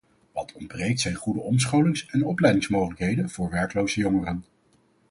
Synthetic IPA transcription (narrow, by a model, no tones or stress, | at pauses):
ʋɑtʰɔndbrejk̚tsɛjnχudəɔms̬χowlɪŋsɛnɔplɛjdɪŋsmowχələkɦejdənv̥ʊːɹʋɛɹklowzəjɔŋərən